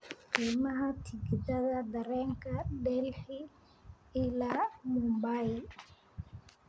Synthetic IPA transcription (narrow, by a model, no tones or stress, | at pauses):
qiːmɐɦɐt̪ʰɪɡɪdɐðɐd̪ɐɾɛːŋkʰɐɖɛlħɪ | ɪlaːmumbajl